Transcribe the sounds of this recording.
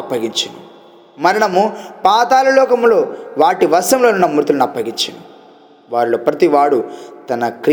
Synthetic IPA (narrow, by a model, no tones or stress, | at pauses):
ɐpːɐɡiɲt͡ʃind̪ṵ | mɐɾinɐmupaːt̪aːlɐlɔːkɐmlo̞ːʋaːʈiʋɐɾʂɐmlo̞ːnunːɐmuɾt̪ulɐnɐpːɐɡiɲt͡ʃḭnd̪ṵ | ʋaːɾilo̞ːpɾɐt̪iʋaːɽut̪ɐnɐkɾ